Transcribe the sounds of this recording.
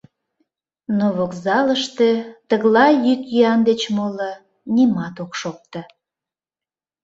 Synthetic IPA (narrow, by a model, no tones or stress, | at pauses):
noβokzɑləʃt̪et̪əɣlɑjykjiɑnd̪et͡ɕmolə | nimɑt̪okʃok̚t̪ə